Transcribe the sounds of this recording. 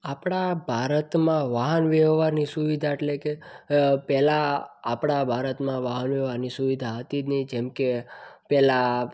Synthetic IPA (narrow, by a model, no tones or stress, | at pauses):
apɽ̃abʱaɾət̪mãʋaɦənʋɛʋʋaɾnisuʋid̪ʱaeʈlekepɛlaːpɽabʱaɾət̪mãʋaɦənʋɛʋaɾnisuʋid̪ʱaɦət̪inid͡ʒɛmkepɛla